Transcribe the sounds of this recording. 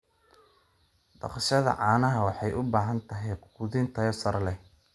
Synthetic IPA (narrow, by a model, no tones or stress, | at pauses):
d̪̥ɑ̰qʃɐðɐ̰ʕɑːnɐɦɐwɑħɑjʔʊbaːɦɐnt̪ʰɐɦɛjquðɪnt̪ʰɐjɔsɐɾɐlɛ